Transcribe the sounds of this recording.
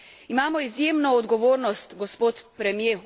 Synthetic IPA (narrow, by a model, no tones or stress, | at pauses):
imaːmɔizjeːmnɔːd̪ɡɔʋoːɾnɔst̪ɡɔspoːt̪pɾɛmje